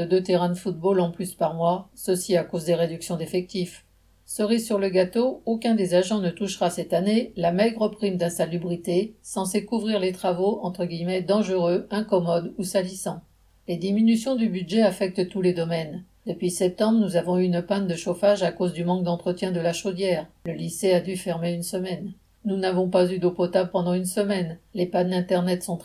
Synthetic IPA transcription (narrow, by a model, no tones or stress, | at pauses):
əd̪øt̪eʁɛ̃d̪əfut̪̚bolɑ̃plyspaʁmwasəsiakozd̪eʁed̪yksjɔ̃d̪efɛk̚t̪if | səʁisyʁləɡat̪ookʲɛ̃d̪ezaʒɑ̃nət̪uʃʁasɛt̪anelamɛɡʁəpχimd̪ɛ̃salybʁit̪esɑ̃sekuvʁiʁlet̪χavoɑ̃t̪χəɡʲijmɛd̪ɑ̃ʒəʁøɛ̃kɔmɔd̪usalisɑ̃ | led̪iminysjɔ̃d̪ybyd̪ʒɛafɛk̚t̪t̪uled̪ɔmɛn | d̪əpɥisɛp̚t̪ɑ̃bʁənuzavɔ̃yynəpand̪əʃofaʒakozd̪ymɑ̃k̚d̪ɑ̃t̪χət̪jɛ̃d̪əlaʃod̪jɛːʁ | ləlisead̪yfɛʁmeynsəmɛnː | unavɔ̃pazyd̪opɔt̪ablpɑ̃d̪ɑ̃ynsəmɛnlepanɛ̃t̪ɛʁnɛt̪sɔ̃t̪